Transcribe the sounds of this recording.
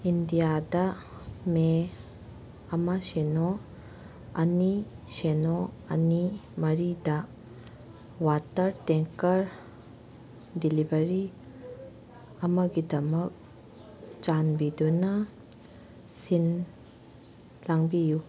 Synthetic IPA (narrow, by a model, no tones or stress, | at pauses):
indijadɐ | me | ɐmɐseno | ɐni | senoɐ̰nimɐɾidɐ | watɐɾteŋkɐɾ | dilibɐɾi | ɐmɐɡidɐmɐk̚ | t͡ʃanbidunɐ | sin | laŋbiju